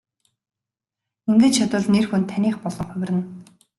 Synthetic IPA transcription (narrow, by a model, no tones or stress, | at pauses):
ɵŋɡɘ̆t͡ɕt͡ɕʰat̪ʊːɮnerxɵnt̪ʰːaniːχpɔɮ̥ɞ̆ɴχʊw̆ʲrɘ̆n